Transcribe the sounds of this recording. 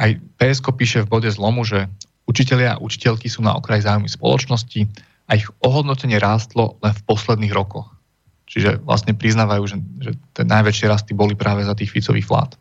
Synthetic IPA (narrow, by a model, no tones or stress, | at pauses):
ʔajpɛɛskɔpiːʃɛvbɔɟɛzlɔmuʒɛ | ut͡ʃicɛʎɪaa̰ʔut͡ʃi̥cɛʎkisuːna̰ɔ̰kɾajzaːujmispɔ̰lɔ̰t͡ʃnɔsci | aiɣɔɦɔd̪nɔcɛɲɪɛɾaːst̪lɔlɛnfpɔslɛd̪niːɣɾɔkɔx | t͡ʃiʒɛʋla̰sɲɛpɾiznaːʋajuːʒɛʒɛt̪ɛ̰najʋɛt͡ʃɪɛɾast̪ibɔlipɾaːʋɛzat̪̬iːxfit͡sɔʋḭːxfla̰ːt̪